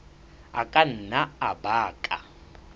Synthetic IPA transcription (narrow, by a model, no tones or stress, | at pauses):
a̰kʼan̩ːnaabaːkʼa̰